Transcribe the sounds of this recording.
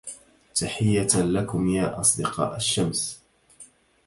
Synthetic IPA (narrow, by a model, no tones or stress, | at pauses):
t̪aħɪjːalakʊmjaːʔɑsˤd̪ɨqɑ̰ːʔaʃːams